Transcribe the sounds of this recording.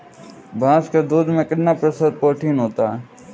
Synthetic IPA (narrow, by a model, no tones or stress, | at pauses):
bʱãːsked̪uːd̪mẽkɪɖnapɾəsəd̪̚poːʈʰiːnɦoːt̪aɛ